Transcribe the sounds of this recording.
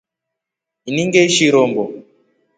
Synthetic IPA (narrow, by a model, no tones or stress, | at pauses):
iniŋɡɛʃiɾɔmbɔ